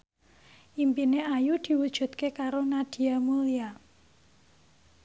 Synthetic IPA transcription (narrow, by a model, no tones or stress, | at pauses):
ʔimpineajud̪̥i̤wud̥ʒ̥ṳt̪kekaɾonad̪̥i̤amulia